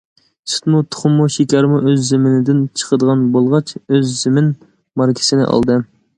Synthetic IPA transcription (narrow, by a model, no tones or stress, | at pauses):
sɨ̥t̪mut̪ʰʊ̥χʊmːuʃikʲʰɑɾmuʔøzːɪmɪnɪd̪ɪnt͡ʃʰə̥qʰəd̪əʁɑnbolˠʁɑt͡ʃøzːɪmɪn | mɑɾkʲʰɪ̥sɪnɪ̰ʔɑ̰lˠd̪ɨ